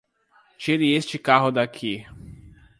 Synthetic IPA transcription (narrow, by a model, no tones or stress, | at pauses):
t͡ʃiɾɪest͡ʃɪkaɦʊd̪akʰi